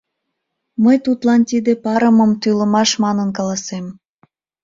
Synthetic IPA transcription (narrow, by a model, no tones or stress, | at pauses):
məjt̪ut̪lɑnt̪id̪epɑɾəməmt̪yləmɑʃmɑnənkɑlɑsem